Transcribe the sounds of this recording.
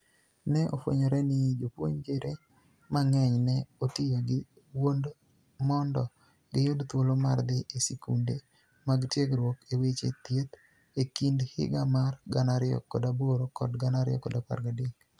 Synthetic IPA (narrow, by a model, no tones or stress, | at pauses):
nɛʔopwoɲoɾɛnɪd͡ʒopwo̰ɲd͡ʒeɾʔe | maŋɛɲnɛotijoɡɪ | wond | mɔndɔ | ɡɪjodt̪wolomard̪ɪʔesikunde | maɡɪtjeɡɾwokewet͡ʃḛt̪jet̪ | ekindhɪ̰ɡamarɡanaɾɪɔ̰kːɔdaboɾokɔdɡanaɾɪjɔ̰kɔdapa̰rɡadek